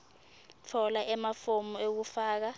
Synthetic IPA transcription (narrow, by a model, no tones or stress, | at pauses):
t͡fʰɔlaʔɛmafomuek̬ufaːk̬a